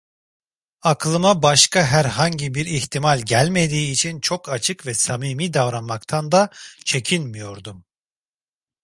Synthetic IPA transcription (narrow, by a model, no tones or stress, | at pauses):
aklˠɯmabaʃkaɦæɾɦaɲɟibiɾiçt̪ʰimalʲɟælʲme̞d̪iːt͡ʃʰint͡ʃʰo̞kat͡ʃʰɯkvɛsamiːmiːd̪avɾanmakt̪ʰand̪at͡ʃʰe̞cʰinmijo̞ɾd̪um